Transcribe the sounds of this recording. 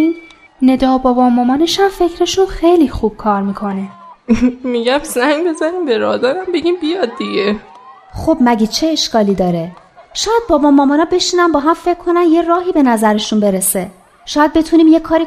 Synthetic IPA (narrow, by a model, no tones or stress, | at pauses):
in | ne̞d̪ɒːbɒːbɒmɒːmɒːneʃæmfe̞cʰɾe̞ʃunxe̞jlixub̥̚kʰɒːɾmiːkʰo̞ne | miɟæmzæŋɡbe̞zæniːmbeɾɒ̰d̪æɾæmbe̞ɡʲiːmbijɒd̪̚ːiɟe | xob̥mæɟet͡ʃʰeːʃkɒːliːd̪ɒːɾe | ʃɒːjæd̪̚bɒːbɒːmɒːmɒːnɒːbe̞ʃiːnænbɒːɦæmfe̞cʰːo̞nænje̞rɒːɦiːbe̞næzæɾeʃunbe̞ɾese | ʃɒːjæd̪̚be̞t̪ʰuniːmjekʰɒːɾi